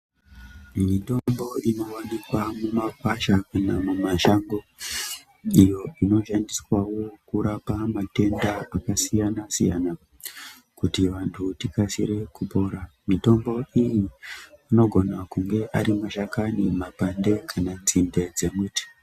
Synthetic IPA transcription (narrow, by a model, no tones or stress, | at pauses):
mito̞mbo̞ino̞wanikwamumakwaʃakanamumaʃaŋɡo | ijo̞ino̞ʃandiswawo̞kuɾapamate̞ndaakasijanasija̰na | kutiʋantʰutikasiɾe̞kupo̞ːɾa | mito̞mbo̞ʔijiino̞ɡʱo̞nakuŋɡe̞ʔaɾimaʃakanimapande̞kʰananzinde̞d͡ze̞mwiːti̥